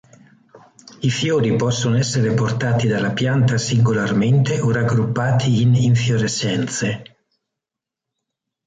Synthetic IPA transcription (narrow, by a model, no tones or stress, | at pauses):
ifjoːɾipɔsːonoɛsːeɾeport̪aːt̪id̪alːapjant̪asiŋɡolarment̪eoraɡɾupːaːt̪ʰiːniɱfjoɾesːɛnt̪se